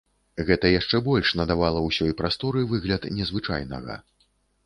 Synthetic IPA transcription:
ɣɛt̪ɐjaʂt͡ʂɛbɔlʲʂnɐd̪avalˠɐwsʲɔjpɾast̪ɔɾɨvɨɣlʲɐt̪nʲɛzvɨt͡ʂa̰jnɐ̰ɣɐ̰

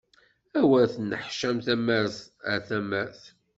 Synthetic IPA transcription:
æwæɾθnəħʃæmθæmæɾθəθæmæɾθ

